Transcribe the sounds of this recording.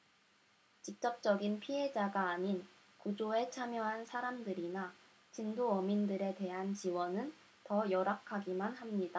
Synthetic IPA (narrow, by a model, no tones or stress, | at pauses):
t͡ɕik̚t͡ɕ͈ʌp̚t͡ɕ͈ʌɡinpʰiɦe̞d͡ʑaɡaːɲin | kud͡ʑoe̞t͡ɕʰamjʌɦansʰaɾamdɯɾina | t͡ɕindoʌmindɯɾe̞te̞ɦant͡ɕiwʌnɯn | tʌjʌɾakʰaɡimanɦamɲida